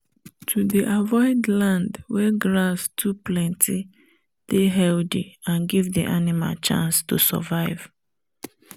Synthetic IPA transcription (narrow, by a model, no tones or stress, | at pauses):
tʰudiʔavɔɪdlãndwɛɡɹastʰuplɛ̃ntʰi | d̥eɦɛldiãnɡivdḭʔanima̰lt͡ʃã̰nstusɔ̰vaɪv̥